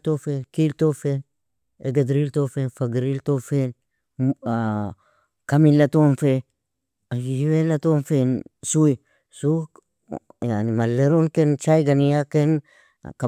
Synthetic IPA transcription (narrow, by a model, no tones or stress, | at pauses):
tofenkiltofen | eɡad̪ɾiltofenfaɡɾiltofen | kamilːatonfe | ad͡ʒihiwelatonfensui | su | janimalːeɾonkent͡ʃajɡanijaken | ka